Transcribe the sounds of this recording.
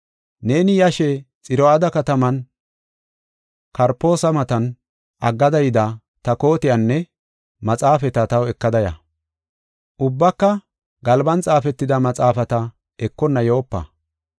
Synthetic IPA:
ne̞ːnɪjɐʃɛt͡sʼɪɾɔad̪ɐkɐt̪ɐmɐn | kɐɾpːo̞ːsɐmɐt̪ɐn | ɐɡːɐd̪ɐjd̪ɐ | t̪ɐko̞ːt̪ɪjɐnːɛ | mɐt͡sʼaːfɛt̪ɐt̪ɐwɛkːɐd̪ɐjɐ̰ | ʔʊbːɐkːɐ | ɡɐlbɐnt͡sʼaːfɛt̪ːɪd̪ɐmɐt͡sʼaːfɐt̪ɐ | ɛkːɔnːɐjo̞ːpːɐ̰

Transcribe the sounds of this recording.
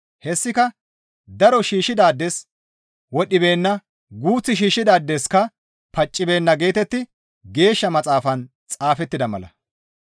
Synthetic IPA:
hɛsːɪkɐ | d̪ɐɾɔʃiːʃːɪd̪aːd̪ːes | wɔɗɪbe̞ːnːɐ | ɡuːt͡sːɪʃiːʃːɪd̪aːd̪ːeskɐ | pɐt͡ʃʼːɪbe̞ːnːɐɡe̞ːt̪ɛt̪ːɪ | ɡe̞ːʃːɐmɐt͡sʼaːfɐn | t͡sʼaːfɛt̪ːɪd̪ɐmɐ̰lɐ̰

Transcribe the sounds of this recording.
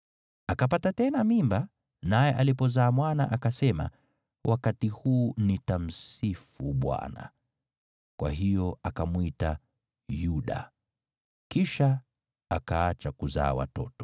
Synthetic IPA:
akapatatɛnamimba | najɛʔalipɔzaːmwana̰ʔakasɛma̰ | wʔakatihuːnitam̩sifuɓwa̰na̰ | kwa̰ɦijɔakamwita | juɗa̰ | kiʃa | akaat͡ʃakuza̰ːwa̰tɔ̰tɔ̥

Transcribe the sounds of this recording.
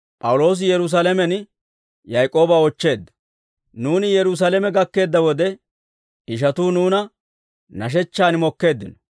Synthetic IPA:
pʼɐwʊlo̞ːs̬ɪjɛɾʊs̬alɛmɛn | jɐjkʼo̞ːbɐɔt͡ʃːe̞ːd̪ːɐ̥ | nuːnɪjɛɾʊs̬ɐlɛmɛɡɐkːe̞ːd̪ːɐwɔd̪ɛ | ɪʃ̬ɐt̪uːnuːnɐ | nɐʃ̬ɛt͡ʃːaːnmɔkːe̞ːd̪ːɪnɔ̥

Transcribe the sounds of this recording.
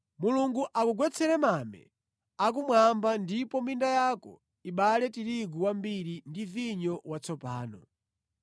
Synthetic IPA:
muluŋɡuʔakuɡwɛt͡sʰɛɾɛmamɛ̰ | ak̬umwambandipɔmindajakɔ̰ | iɓalɛtiɾiɡuwambiɾindiviɲɔwat͡sʰɔpaːnɔ

